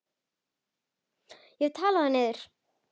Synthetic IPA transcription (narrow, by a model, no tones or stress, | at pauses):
jɛɣt̪ʰaːlaðaneðʏɾ̥